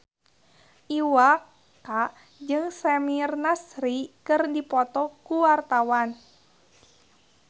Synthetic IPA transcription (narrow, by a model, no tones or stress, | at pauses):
ʔiwak | a | d͡ʒɨŋsɛmirnasɾikɨrdipɔt̪ɔkuwart̪awan